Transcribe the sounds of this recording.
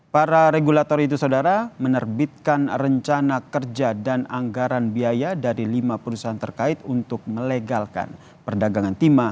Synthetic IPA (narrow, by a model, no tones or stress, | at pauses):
paɾaɾeɡulat̪ɔɾit̪usaudaɾamənərbit̪̚kanrəɲt͡ʃanakərd͡ʒadanaŋɡaɾanbiajadaɾilimapəɾusaɦant̪ərkaɪt̪unt̪ʊk̚məleɡalka̰n | pərdaɡaŋant̪ima